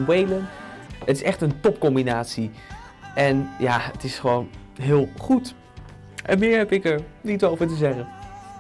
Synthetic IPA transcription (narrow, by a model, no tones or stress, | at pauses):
nwejlənətɪsɛχtəntɔpkɔmbinaːtsi | ʔɛnjaːətɪsχəʋownɦɪːlˠχut | ʔɛ̰nmɪːɹɦɛpɪkəɹnitoːvəɹtəzɛχən